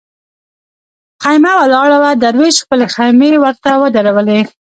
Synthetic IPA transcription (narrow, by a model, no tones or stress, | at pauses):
xajmawalɑɽawad̪aɾweʃxpəlexajmewəɾt̪awəd̪əɾawəle